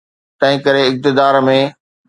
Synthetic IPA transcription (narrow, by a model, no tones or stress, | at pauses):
t̪ɐ̃ɦɪ̃kɐɾeɪk̚t̪ɪd̪aːɾmẽː